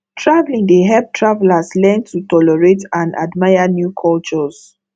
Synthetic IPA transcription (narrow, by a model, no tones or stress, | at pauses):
tʰɹavlĩŋdəɦɛp̚tʰɹavlaslɛntʰutɔlɛɹetãna̰dmaɪanjukʰɔlt͡ʃɔs